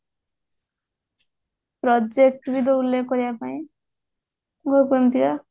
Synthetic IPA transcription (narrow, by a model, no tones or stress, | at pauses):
pɾɔd͡ʒek̚ʈbid̪oulːekːɔɾijapaĩ | ɡʱoɾpɔnt̪ika